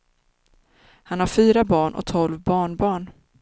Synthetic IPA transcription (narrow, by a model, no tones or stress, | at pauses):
hanhaɾfyːɾabɑːɳʔɔ̰k̚t̪ʰɔlvbɑːɳbɑːɳ